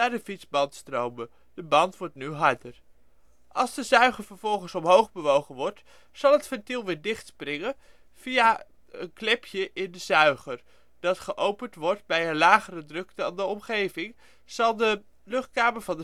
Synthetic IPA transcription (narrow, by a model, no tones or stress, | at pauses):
naːɹdəfitzbɑntstrowmə | d̥əbɑntʋɔɹtnyɦɑɹdər | ʔɑlˠzdəzœɥχəɹvəɹv̥ɔlˠχənsɔmɦowχbəʋowχənʋɔɹt | z̥ɑlˠɦətfɛntilˠʋɪːɹdɪχtsprɪŋən | v̥ija | ənklɪpʰjəʔɪndəzœɥχər | d̥ɑtχəʔowpəntʋɔɹtbɛjənlaːχərədrɵkdɑndəɔmχejvɪŋ | z̥ɑlˠdə | lɵχt̚kaːməɹvɑndə